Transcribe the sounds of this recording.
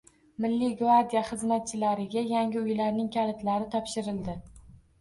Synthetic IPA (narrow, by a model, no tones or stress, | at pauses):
mɪlːɪɡvaɾd̪ʲijaχɨzmat̪̚t͡ʃʰɪlaɾɪɡʲajaŋʲɪʊjlaɾnɪŋkʲʰalɪt̪laɾɪt̪ʰɒpʃɪɾɪld̪ɪ